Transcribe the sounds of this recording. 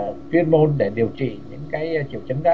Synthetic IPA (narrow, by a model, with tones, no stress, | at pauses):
fwi˧ənmo˧nɗe˧˩ɗi˨˩əwt͡ɕḭ˧˨ɲɨ̰˧˥ŋkaː˨˦jt͡ɕi˧˩əwt͡ɕə˨˦nka̰˧